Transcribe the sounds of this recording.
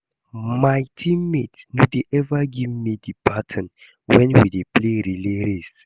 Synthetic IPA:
majtʰĩmmetnodeʔɛvaɡivmidipʰatʰɔ̃n | wɛ̃nwidepleɾileɾes

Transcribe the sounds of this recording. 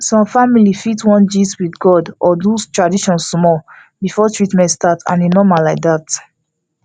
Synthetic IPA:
sɔ̃mfamilifitwɔ̃nd͡ʒitwiθɡɔdʔɔdustɹadiʃɔ̃nsmɔ | bifɔtɹitmɛ̃ntstatã̰ninɔmalaɪk̚dat

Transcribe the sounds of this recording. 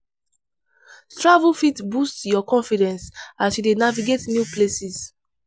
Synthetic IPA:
stɹavufitbustjɔkɔ̃nfidɛ̃nsasjudenaviɡetnjuplesis

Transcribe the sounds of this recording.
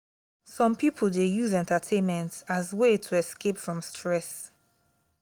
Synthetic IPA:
sɔ̃mpipʰəl̩ˠdejuzɛ̃ntatʰẽnmɛ̃ntazwetʰuɛskepfɹɔ̃mstʰɹɛs

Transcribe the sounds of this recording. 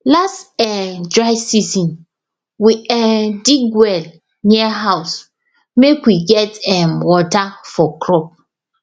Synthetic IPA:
lastɛdɹaɪsizĩn | wiɛdiɡwɛl | niɛɦaʊs | mekwiɡɛtɛmwɔtafɔkɹɔp̚

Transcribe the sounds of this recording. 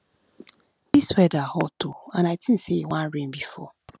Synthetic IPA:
d̥iswɛdahɔtoanaɪtin̩sewãnɹenbifɔ̰

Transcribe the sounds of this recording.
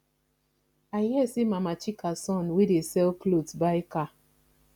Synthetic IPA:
ajɛsimamat͡ʃikasɔ̃nwedesɛlklotbajka

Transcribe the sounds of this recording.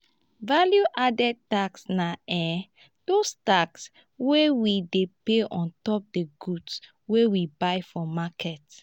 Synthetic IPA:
valjuʔadɛd̚taksnaɛ | d̥ostaks | wewidepeɔ̃ntɔp̚deɡuds | wewibaɪfɔmakʰɛt

